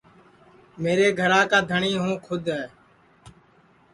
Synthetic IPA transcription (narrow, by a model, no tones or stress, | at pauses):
meːɾeːɡʱəɾaːkaːd̪ʱəɳiːɦũːkʰʊd̪ʱɛː